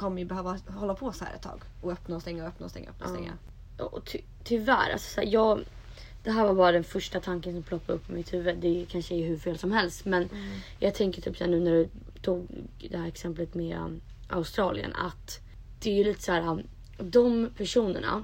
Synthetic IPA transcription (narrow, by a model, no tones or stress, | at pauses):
kʰɔmːəjəbɛhøːvahɔlːapʰɔshæ̰ɾɛ̰t̪ːʰɑ̰ːɡ | ɔœpnaɔst̪ɛŋːaœpnaɔst̪ɛ̰ŋːaœ̰p̚ːnasɛ̰ŋːa̰ | ɑ̰ɔt̪ʰ | t̪ʰʏvæ̰ɾa̰lsɔ̥sæ̰ːɾjɑːɡ | d̪̥ɛɦæːɾvaɾbɑːɾad̪ɛnfœʂʈat̪ʰaŋkənsɔmpʰlɔkːaɾɵpːɪmɪt̪hʉ̟ːvəd̪ɛkʰanʂəæɦɵɾfeːlsɔmhɛlst̪mɛnjʔɑːɡt̪ʰɛŋkəʈʰy̰ːpsæːɳʉ̟ːnæɖɵ | t̪ʰuːɡd̪ɛhæːɾɛksɛmplət̪meː | ʔa̰ʊst̪ɾɑːlɪ̰ə̰na̰t̪ | d̪̥ɛæjɵliːt̪ə̥sæːɾa | d̪ɔmpʰæʂuːnə̰ɳa̰